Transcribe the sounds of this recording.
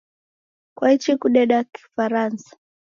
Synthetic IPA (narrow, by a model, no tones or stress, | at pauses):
kwait͡ʃikuɗɛɗaki̥faɾansḁ